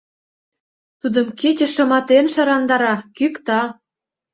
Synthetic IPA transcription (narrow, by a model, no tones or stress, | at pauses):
t̪ud̪ə̆mket͡ɕə̆ʃɤ̆mɑt̪emʃɤ̆ɾɑnd̪ɑɾɑkykt̪ɑ